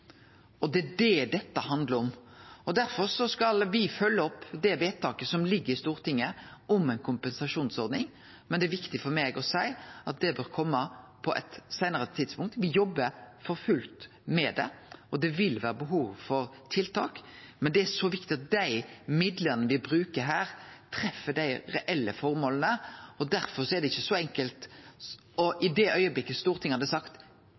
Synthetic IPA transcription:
ɔd̪ɛd̪ɛd̪ɛt̪ːəhɑnd̪ləɾɔmɔd̪æɾfɔɾʂɔskɑlʋɪfœlːəɔpːd̪ɛʋeːt̪̚t̪ʰːɑːkəsɔmlɪɡːəɾɪst̪uːɾt̪ʰɪŋːəʔɔmɛɪnkʰʊmpɛnsɑʂuːnsɔɾd̪nɪŋ | mɛnd̪ɛæɾʋɪkt̪ɪfɔɾmeːɡɔsæɪʔɑt̪̚d̪ɛbøːɾkʰɔmːəpʰɔʔɛ̰t̪sæɪnəɾət̪ʰid̪spʊŋk̚t̪ʋɪjɔbːəɾfɔɾfʉlt̪ | mɛd̪ɛ̰ɔd̪ɛʋɪlʋæːɾəbəɦuːʋfɔɾt̪ʰɪlt̪ʰɑ̰ːkmɛnd̪ɛæʂɔʋɪkt̪ɪɑt̪̚d̪æɪmɪd̪ləɾnəʋɪbɾʉːkəɾɦæːɾt̪ʰɾɛfːəd̪æɪɾɛʔɛlːəfɔɾmoːlənəɔd̪æɾfɔɾsɔɛɾd̪ɛɪçːəsɔɛŋkəlt̪ | ɔʔɪd̪ɛʔœʏəblɪkːəst̪uːɾət̪ʰɪŋːhɑd̪ɛsɑkt̪

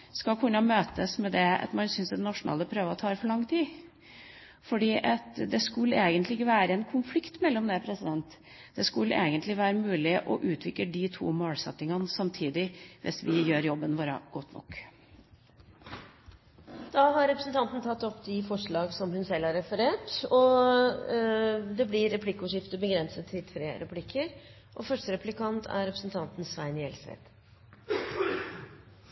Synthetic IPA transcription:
skɑkʰʉnːɑmøːt̪əsmɛd̪ɛɑ̰t̪mɑnsʏnsd̪ɛd̪ɛnɑʂʊnɑ̰ːləpʰɾøːʋəɔt̪ʰɑːɾfɔɭɑŋːt̪ʰiː | fɔɖiːʔɑt̪d̪ɛskʉlːeːɡənt̪lɪɡəʋæːɾəɛnkʰʊnflɪkt̪mɛlːɔmd̪ɛpʰɾɛsɪd̪ɛnt̪ | d̪ɛskʉlːḛːɡənt̪lɪʋæːɾəmʉːlɪʔɔʔʉːt̪ʰʋɪk̪əɖɪt̪ʰṵːmoːlsɛ̰t̪ːɪŋɑnsɑmt̪ʰiːd̪ɪʋʔɪ̰sʋɪjøːɾjɔbːənʋoːɾɑ̰ɡ̥ɔt̪ːnɔ̰kː | d̪̥ɑːɦɑɾːɛpɾəsn̩t̪ʰɑnt̪n̩t̪ʰɑt̪ːɔpːd̪ɪfɔʂɭɑːɡsɔmhʉnsɛlhɑɾɛfəɾeːʈɔ | d̪ɛblɪɾɛpʰlɪkːʊːʂɪft̪əbəɡɾɛnsət̪ʰːɪlt̪ʰɾeːɾʔɛpʰlɪkʰːəɾ | ʔɔfœʂʈəɾɛpʰlɪkʰɑnt̪ʰæ̰ɾɾɛpɾəsn̩t̪ʰɑnt̪n̩sʋæɪnɪɛlsḛːt̪

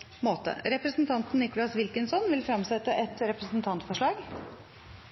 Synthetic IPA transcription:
moːt̪ə̰ɾɛpɾəsn̩t̪ʰɑnt̪n̩ɪkʊlɑsʋɪlkənsɔnʋɪlfɾɑmsɛt̪ːəʔɛt̪ɾɛpɾəsn̩t̪ʰɑnt̪fɔʂɭɑːɡ

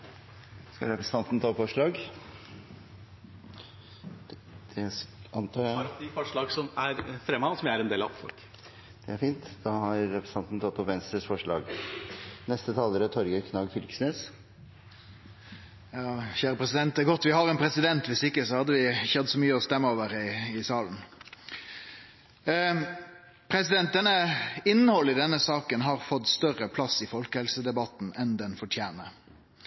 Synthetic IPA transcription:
skɑ̰ɾɛpɾəst̪ɑnt̪n̩t̪ʰɑːfɔʂɭɑːɡ | d̪̥ɛɑnt̪ʰɑːæfɔʂɭɑːɡsɔmæɾfɾɛmːɑsɔmjæɾɛnd̪eːlɑ̰ʋfɔ̰lk | d̪̥ɛæɾfiːnt̪d̪ɑːhɑɾɾɛpɾs̩t̪ɑnt̪nt̪ʰɑt̪ːɔpʋɛnst̪ɾəsfɔʂɭɑ̰ːɡ | nɛst̪ət̪ʰɑːləɾət̪ʰɔɾɡəkʰnɑːɡfʏlksneːs | jɑːçæːɾəpʁɛsɪd̪ɛnt̪ɡɔt̪ːʋɪhɑʁɛnpʰɾɛsɪd̪ɛnt̪ʋɪsɪkːəsɔhɑd̪ːəʋɪçɑd̪sɔmyːəɔst̪ɛmːəoːʋəɾɪɪsɑːln̩ | pʰɾɛsɪd̪ɛnt̪̚d̪ɛnəɪnːəhɔlːɪd̪ɛnːəsɑːkənɦɑʁfɔt̪ːst̪œʁəpʰlɑsːɪfɔlkəhɛlsəd̪ɛbɑt̪n̩ɛnd̪ɛnfɔʈʰjæːnə

